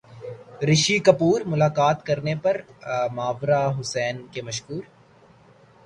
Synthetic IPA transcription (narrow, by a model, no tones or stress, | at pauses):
ɾɪʃikɐpuːɾmʊlaːkaːt̪kɐɾnepɐɾmaːʋɾaɦʊsɛːnkemɐʃkuːɾ